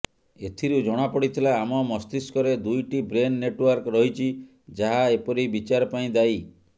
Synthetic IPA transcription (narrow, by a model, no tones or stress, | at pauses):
et̪ʰiɾud͡ʒɔɽ̃apɔɽit̪ʰilaːmɔmɔst̪iskɔɾed̪ujʈibɾenːeʈwɔɾkɾɔɦit͡ʃʰi | d͡ʒaɦaepɔɾibit͡ʃaɾɔpaĩd̪aj